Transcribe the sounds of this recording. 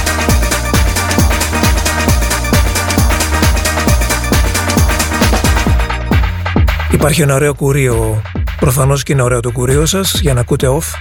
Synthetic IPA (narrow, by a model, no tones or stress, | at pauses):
ipɐɾçienɐoɾe̞o̞kuɾiopɾo̞fɐno̞sceineo̞ɾe̞o̞t̪ukuɾiosɐsʝɐnɐkut̪e̞o̞f